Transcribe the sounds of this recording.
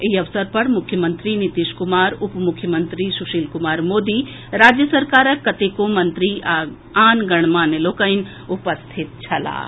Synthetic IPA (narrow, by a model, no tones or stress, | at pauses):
iɐʋsəɾpɐɾmʊkʰjəmənt̪ɾinit̪iʃkumaːɾupmukʰjəmənt̪ɾisuʃiːlkumaːɾmoːd̪i | ɾaːd͡ʒjəsɐɾkaːɾəkːɐt̪ekomɐnt̪ɾi | aːnɡɐɳ̃maːneloːkəjn | upəst̪ʰit̪̚t͡ʃʰɐla̰ː